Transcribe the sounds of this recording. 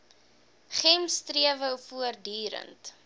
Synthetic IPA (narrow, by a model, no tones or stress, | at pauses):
χɛmstriəvəwfuərdyːɾə̰nt